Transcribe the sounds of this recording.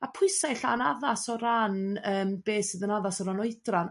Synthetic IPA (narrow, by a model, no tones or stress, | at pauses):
apʰʊɨsajɬanaðasɔɾanəːmbeːsɨːðənaðasɔɾanɔɨdran